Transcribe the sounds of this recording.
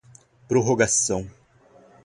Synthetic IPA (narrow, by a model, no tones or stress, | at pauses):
pɾoɦoɡasɐ̃w̃